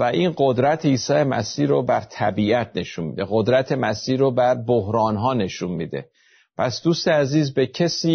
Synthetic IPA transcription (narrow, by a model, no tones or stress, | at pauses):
væiːnɢo̞d̪ɾæt̪ʰeiːsɒːje̞mæ̰siːɾobæɾt̪ʰæ̰biːæt̪̚ʰne̞ʃunmḭːd̪e̞ɣo̞d̪ɾæt̪ʰe̞mæsiːɾobæɾbohɾɒːnɦɒːne̞ʃunmid̪e̞̰ | pʰæsd̪uːst̪e̞æziːzbecʰe̞siː